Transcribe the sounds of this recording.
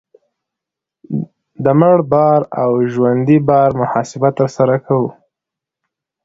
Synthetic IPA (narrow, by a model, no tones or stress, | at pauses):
d̪əməɽbɑɾawʒwand̪ibɑɾmʊhɑsɪbat̪ːəɾsaɾakʰawu